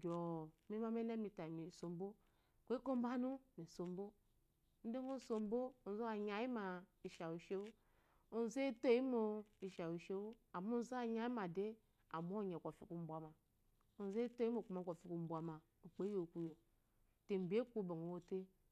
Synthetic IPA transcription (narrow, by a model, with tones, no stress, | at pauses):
ɡʲo˨mi˦ma˦me˦ne˦mi˨ta˨mi˨so˨m˦bo˦ | kʷe˦ko˦m˦ba˦nu˦mi˨so˨m˦bo˦ | n̩˦de˦ŋo˦˨so˨m˦bo˦o˨n˨zo˦a˨ɲa˨ji˦ma˨i˨ʃa˨wu˨ʃe˦wo˦ | o˨n˨ze˦to˦˨ji˦mo˨i˨ʃa˨wu˨ʃe˦wu˦a˨mo˦n˦za˨ɲa˦i˦ma˨de˦ | a̰˨mo˦˨ɲe˨kʷo˨fi˨ku˨m̩˦bʷa˨ma˨ | o˨n˨ze˦to˦i˦mo˨ku˨ma˨kʷo˨fi˦ku˨m̩˨˦bʷa˨ma˨ | o˨k͡pe˨˦jo˨ku˨jo˨ | te˨m̩˨be˦kʷu˦bo˨ŋo˨wo˦te˦